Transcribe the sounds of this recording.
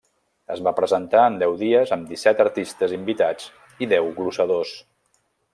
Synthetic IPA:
əzβapɾəzənt̪aənd̪ɛwðiəzəmd̪isɛt̪əɾt̪ist̪əzimbit̪ad͡z | iðɛwɣlusəðos

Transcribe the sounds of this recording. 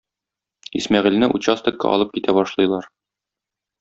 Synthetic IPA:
ismæʁɘ̆lnɘʔut͡ɕast̪ɤ̆kɑ̰ʔɒ̰lˠɤp̚kit̪ʰæbɒʃlˠɤ̆jlˠɑɾ

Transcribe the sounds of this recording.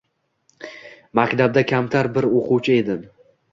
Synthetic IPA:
makʲt̪ʰab̚d̪akʲʰamt̪ʰaɾbɪɾoqʰʊwt͡ʃʰɪe̞d̪ɪn

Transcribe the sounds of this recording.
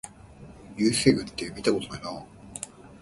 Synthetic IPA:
jɯːseɡɯ̟t̪ːemʲit̪akot̪onaina

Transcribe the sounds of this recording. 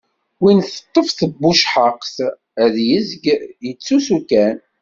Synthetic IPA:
winθə̥t̪ˤːəfθəbːuʃħəqs | əðjəzɡjət͡sːusukæn

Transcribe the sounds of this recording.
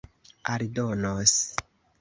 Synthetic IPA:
aɾdonos

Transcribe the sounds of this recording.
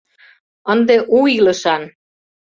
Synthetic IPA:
ə̆nd̪eʔuilə̆ʃɑn

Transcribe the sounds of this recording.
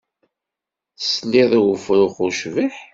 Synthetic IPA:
sniðˤwəfɾuχʊʃviħ

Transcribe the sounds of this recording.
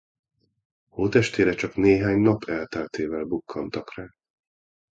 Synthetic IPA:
hoːt̪ɛʃt̪eːɾɛt͡ʃɒkneːɦaːɲnɒpʰɛlt̪ɛlt̪eːvɛlbukʰːɒnt̪ɒkraː

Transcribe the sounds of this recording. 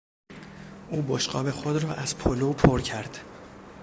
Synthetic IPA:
ʔuːboʃɢɒ̰ːbe̞xod̪ɾɒːʔæz̥pʰoloːpʰoɾcʰæɾd̪̥

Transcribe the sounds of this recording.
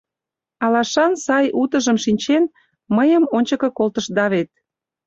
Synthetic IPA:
ɑlɑʃɑnsɑjut̪əʒəmʃinʲt͡ɕen | məjəmonʲt͡ɕəkə̆kolt̪əʃd̪ɑβet̪̚

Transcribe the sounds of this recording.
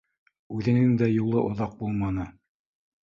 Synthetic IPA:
ʉðɘ̆nɘŋd̪æjulˠɤʔŏðɑq̚bulˠmɑnɤ

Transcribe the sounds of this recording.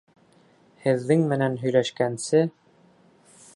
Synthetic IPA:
hɘ̆ðːɘŋmɘ̆nænɦɵ̆jlæʃkænsɘ

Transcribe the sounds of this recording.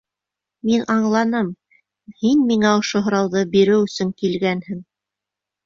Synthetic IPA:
minʔɑɴlˠɑnɤm | hinmiŋæŏʃoɦŏɾɑwðɤbiɾɘwɵ̆sɵŋkilɡænhɘŋ

